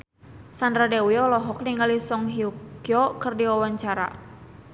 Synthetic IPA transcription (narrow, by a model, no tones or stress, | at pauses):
sandɾadɛwiɔlɔɦɔk̚niŋalisɔŋɦiukjɔkɨrdiwawaɲt͡ʃaɾa̰